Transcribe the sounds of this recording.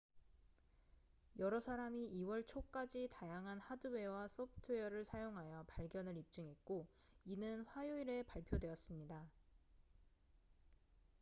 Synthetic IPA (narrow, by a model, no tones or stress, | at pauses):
jʌɾʌsʰaɾamiiwʌɭt͡ɕʰok͈ad͡ʑitajaŋɦanhadue̞was͈ʰʌpʰtʰɯjʌɾɯɭsʰajoŋɦajʌpaɭɡjʌnɯɾip̚t͡ɕ͈ɯŋɦe̞t̚k͈o | inɯnɸwajoiɾe̞paɭpʰjodwe̞ʌs͈ɯmɲida